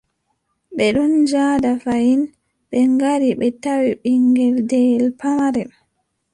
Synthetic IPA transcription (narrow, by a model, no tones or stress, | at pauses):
ɓɛɗɔnd͡ʒadafajin | ɓɛŋɡaɾiɓɛtawiɓiŋɡɛldɛlpamaɾɛ